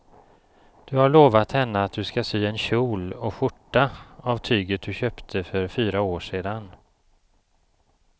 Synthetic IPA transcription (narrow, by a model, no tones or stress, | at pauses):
d̪̥ɵhaɭoːvat̪hɛnːəat̪̚d̪ɵskasyːɛnɕuːlɔɧʊʈːaavt̪ʰyːɡət̪̚d̪ɵɕøːpt̪ʰəfœɾfyːɾaoːʂeːd̪an